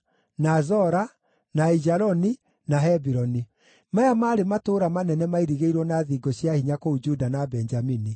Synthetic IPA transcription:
nazɔɾa | naid͡ʒaɾɔni | naɦɛbiɾɔni | majamaːɾematoːɾamanɛnɛmaiɾiɣeiɾwɔnaðiɡɔɕjahiɲakoud͡ʒudanabɛɲd͡ʒamini

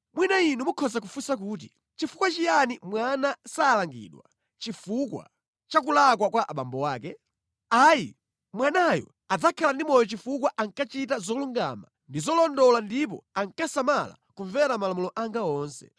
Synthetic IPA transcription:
mwinainumukʰɔzak̬ufusak̬uːt̬i | t͡ʃifu̥kwat͡ʃijanimwanasaːlaŋɡḭːɗwa̰ | t͡ʃifukwa̰ | t͡ʃak̬ulakwakwaʔaɓa̰mbɔwaːk̬ɛ | ajḭ | mwanajɔ̰ | ad͡zakʰalandimɔjɔt͡ʃifukwaʔaŋkat͡ʃitazɔluŋɡa̰ma̰ | ndizɔlɔndɔlandip̬ɔ̰aŋkasamala̰kuɱvɛɾamalamulɔʔaŋɡaɔːnsɛ̰

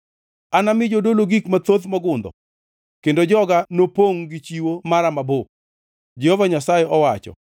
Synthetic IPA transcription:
anamɪd͡ʒodoloɡikmat̪ot̪mɔɡʊnd̪ɔ̰ | kendod͡ʒɔɡanopoŋɡɪt͡ʃiwomaɾamabo | d͡ʒɛhɔvaɲasajeʔɔwat͡ʃɔ̰

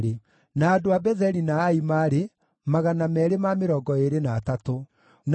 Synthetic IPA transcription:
ɾe | naːdoabɛðɛɾinaːimaɾe | maɣanamɛɾemameɾɔːɡɔeɾenaːtato | n

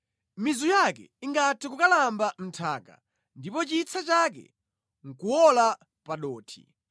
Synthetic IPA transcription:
mizujakɛ̰iŋɡatʰɛkukalambam̩tʰaːka̰ | ndipɔt͡ʃit͡sʰat͡ʃakɛ̰ | ŋ̩kuwɔla | paɗɔːtʰi̥̰

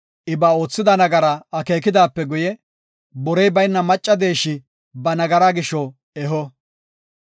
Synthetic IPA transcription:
ʔɪbaːo̞ːt͡sːɪd̪ɐnɐɡɐɾɐɐke̞ːkɪd̪aːpːɛɡʊjɛ | bɔɾɛjbɐjnːɐmɐt͡ʃʼːɐd̪e̞ːʃɪ | bɐnɐɡɐɾaɡɪʃːɔ | ɛɦɔ

